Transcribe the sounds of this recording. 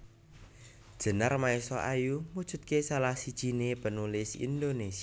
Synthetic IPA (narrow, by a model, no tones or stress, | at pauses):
d̥ʒ̥ə̤narmaesɔʔajumud̥ʒ̥ṳt̪̚kesalahsid̥ʒ̥inepənulɪsḭnd̪onesi